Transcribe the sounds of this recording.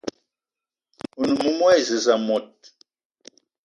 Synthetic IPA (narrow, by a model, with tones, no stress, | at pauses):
u˨nu˨mu˦mwɛ˦˨zə˨za˨mɔ˨t̚